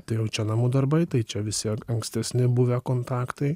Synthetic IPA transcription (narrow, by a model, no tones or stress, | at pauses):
t̪ɐɪjɛʊt͡ʃʲɛnɐmud̪ɐɾbɐɪt̪ɐɪt͡ʃʲɛʋʲɪsʲikɐŋksʲt̪ʲɛsʲnʲɪbʊʋʲɛkoːnt̪ɑːkt̪ɐɪ